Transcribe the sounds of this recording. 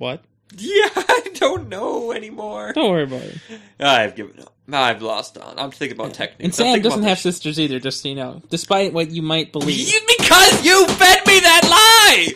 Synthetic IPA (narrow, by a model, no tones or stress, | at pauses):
wʌt̚ | jæaɪdõʊ̃nːoʊɛnimɔɹdõʊ̃nwɜɹiəbaʊɾɨ̰t | aɪvɡɪvɨ̰̃nʌ̰p̚aɪvlɔ̰stnã̰ɪ̃mtθɪ̃kɪŋəbaʊtʰɛ̰k̚niɨ̃nsæ̃mdʌzn̩t̚hɨv̥sɪstə˞ziðə˞d͡ʒʌsjɨnoʊd̥ɨspaɪt̚wʌt͡ʃɨmaɪt̚b̥əlibɨkʰʌzjɨfɛd̚miðɨtˡlaɪ